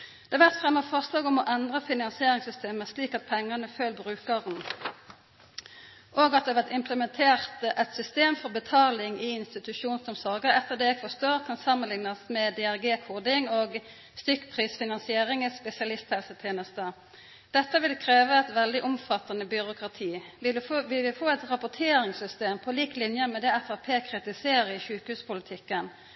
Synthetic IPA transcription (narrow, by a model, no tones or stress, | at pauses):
d̪̥ɛːʋæʁt̪fʁɛmːəfɑʁslɑːɡɔmɔʔɛnd̪ʁəfɪnɑnsɪeːʁɪŋsʏst̪eːməsliːkɑt̪̚pʰɛŋːɑnəføːlbʁʉːkəʁn | ʔoːɡɑt̪̚d̪ɛʋɛʁt̪ɪmpləmɛnt̪ʰeːʁt̪ɛt̪sʏst̪eːmfɔʁbət̪ʰɑːlɪŋiːɪnst̪ɪt̪ʉʃuːnsɔmsɔʁɡəʁɛt̪ːəʁd̪eːɛɡfɔst̪oːʁkʰɑnsɑmːənlɪŋnɑsmɛd̪ɛæʁɡeːkʰuːd̪ɪŋoːɡ | st̪ʏkːpʰʁiːsfɪnɑnsɪeːʁɪŋɪspɛsɪɑlɪst̪hɛlsət̪ʰeːnəst̪ə | d̪̥ɛt̪ːəʋɪlkʰʁeːʋəɛt̪ʋɛld̪ɪʔɔmfɑt̪ːɑnəbʏɾʊkʁɑt̪ʰiːʋɪʋɪlʋɪfoːɛt̪ʁɑpʊt̪ʰeːɾɪŋsʏst̪eːmpʰɔliːklɪnjəmɛd̪ɛæfɑːpʰeːkʰʁɪt̪ɪseːɾəɪçʉːkhʉːspʊlɪt̪ʰɪkːən